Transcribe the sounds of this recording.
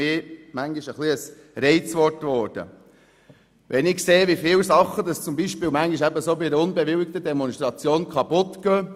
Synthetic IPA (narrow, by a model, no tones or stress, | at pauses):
ɪmæŋɡiʃəχliəs | ɾɛɪt͡sʋɔtʋɔːɾd̥ə̰ | ʋʔɛnɪkkseːʋifɪːwsɑχːədɑst͡sʊmbiːʃpɪːlmæŋɡiʃæbəsoːbiəʊnbɛʋɪwɪk̚t̪ədɛmɔnʃtɾɑt͡sjoːnkχɑpʊtkøː